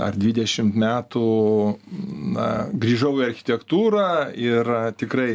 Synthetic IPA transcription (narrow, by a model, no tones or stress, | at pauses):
ɐ̰rd̪ʲʋʲɪd̪ʲɛʃʲɪmt̪mʲæːt̪uː | nɐɡɾʲiːʒɐʊɪɐɾʲxʲɪ̥t̪ʲɛkt̪uːɾɑːɪrt̪ʲɪkɾɐɪ